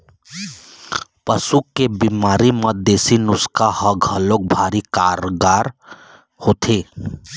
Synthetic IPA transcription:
pəsukːebimaːɾiməd̪esinʊskahəɡʱəlok̚bʱaɾikaɾoɡaɾ | hoːt̪ʰe

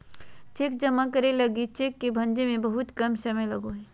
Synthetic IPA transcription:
t͡ʃeːk̚d͡ʒɐmakɐɾelɐɡit͡ʃeːkːebʱɐ̃nd͡ʒemẽbɐɦʊt̪kɐmsɐməjlɐɡoɦɛ

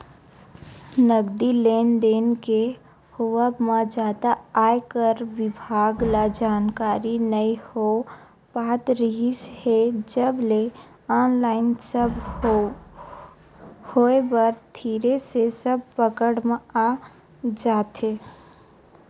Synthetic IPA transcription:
nəɡd̪ileːnd̪eːnke | howəbmãd͡ʒaːd̪aaːekəɾʋɪbʱaːɡlad͡ʒaːnkaːɾinəiho | baːt̪ɾɪɦɪshed͡ʒəble | aːnlaːɪnsəb | hoːebəɾt̪ʰiːɾesesəb̚pəkəɽma | d͡ʒaːt̪eː

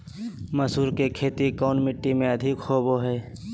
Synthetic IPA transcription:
mɐsuːɾkekʰeːt̪ikɔːnmɪʈːimẽɐd̪ʱɪkxoːboɦɛː

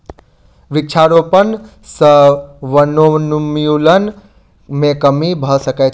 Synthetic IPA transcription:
ʋɾik̚t͡ʃʰaɾopən | səʋənonumjulən | mekəmibʱəsəkɛ

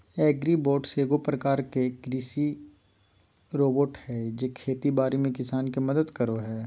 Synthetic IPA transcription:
ɛːɡɾiboːɖseːɡopɾɐkaːɾkekɾiːsi | ɾoːboːʈhɛːd͡ʒekʰeːt̪ibaːɾimẽkɪsaːnkimɐd̪əd̪kɐɾoɦɛː

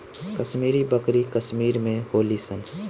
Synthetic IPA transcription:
kəʃmiːɾibəkɾikəʃmiːɾmẽhoːlisən

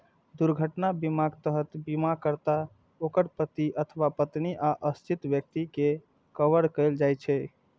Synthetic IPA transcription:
d̪uɾɡʱəʈnabimaɡt̪əɦət̪bimakəɾt̪a | okəɾpət̪iʔət̪ʰəʋapət̪niʔaʔəst͡ʃit̪bjək̚t̪ike | kəʋəɾkəjld͡ʒajt͡ʃʰɛ

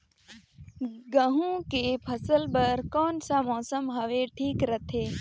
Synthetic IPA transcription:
ɡəɦũkepʰəsəlpɐɾkɔːnsamɔːsəmɦɐʋeʈʰiːkɾət̪ʰeː

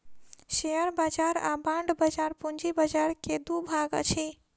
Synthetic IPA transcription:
ʃeəɾbad͡ʒaɾa̰bãɳɖbəd͡ʒaɾpund͡ʒibəd͡ʒaɾked̪ubʱaɡə̰t͡ʃʰi

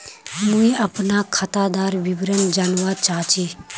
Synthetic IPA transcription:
mũĩɐpnakʰət̪ad̪aːɾʋibɾənd͡ʒanʋaːt͡ʃaːt͡ʃiː

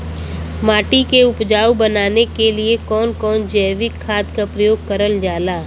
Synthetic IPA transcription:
maːʈikeʊpd͡ʒaːwbɐnaːnekeliekɔːnkɔːnd͡ʒəːʋɪkʰːaːd̪kapɾəjoːɡ̚kəɾəld͡ʒaːlaː

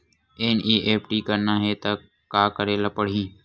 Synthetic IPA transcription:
eːnʔiːʔeːpʈiːkəɾnaːɦeːt̪aː | kaːkəɾeːlaːpəɽ̤ĩː

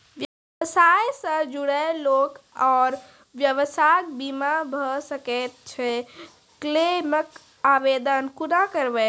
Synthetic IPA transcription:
ʋjə | sajsə̃d͡ʒuɽɛlokɔːɾ | ʋjəʋəsak̚bimabʱəsəkɛt̪̚t͡ʃʰɛ | klemək | abed̪ənkunakəɾbɛ

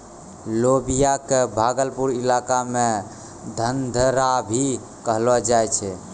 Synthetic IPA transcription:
lobijakebʱaɡəlpuɾilakame | d̪ʱənd̪ʱəɾabʱi | kəɦlɔd͡ʒajt͡ʃʰɛ

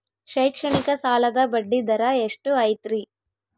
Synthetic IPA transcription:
ʃɐjkʂɐɳikɐsaːlɐd̪ɐbɐɖːid̪ɐɾaeʂʈuɐjt̪ɾi

